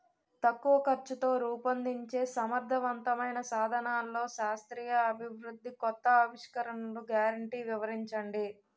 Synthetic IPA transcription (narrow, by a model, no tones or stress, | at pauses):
t̪ɐkːuʋɐkɐɾt͡ʃut̪o̞ːɾuːpɐnd̪iɲt͡ʃe̞ːsɐmɐɾd̪ʱɐʋɐnt̪ɐmɐjnɐsaːd̪ʱɐnaːlːo̞ːʃaːst̪ɾiːjɐːbʱiʋɾud̪ʱːikɔt̪ːɐːʋiʂkɐɾɐnɐluɡjaːɾɐɳʈiːʋiʋɐɾiɲt͡ʃɐɳɖi